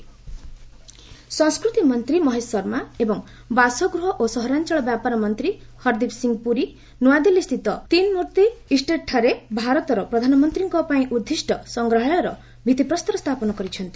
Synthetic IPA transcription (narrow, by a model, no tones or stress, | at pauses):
sɔ̃ŋskɾut̪imʌnt̪ɾimɔɦesɔɾmaebɔŋ | basɔɡɾuɦɔʔosɔɦɾant͡ʃɔɭɔbjapaɾɔmɔnt̪ɾihʌɾd̪ipsiŋɡpuɾi | nuwad̪ilist̪ʰit̪ɔt̪inmuɾt̪iisʈeʈʰːaɾebʱaɾɔt̪ɔɾɔpɾɔd̪ʱanɔmɔnt̪ɾiŋkɔpaĩʔud̪ʱːisʈɔsɔŋɡɾɔɦɔjɔɾɔ | bʱit̪ipɾɔst̪ɔɾɔst̪ʰapɔnɔkɔɾit͡ʃʰʌnt̪i